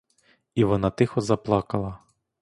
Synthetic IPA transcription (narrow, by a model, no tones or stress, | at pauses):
iʋɔnɑt̪ɪxɔzɐplˠɑkɐlˠɐ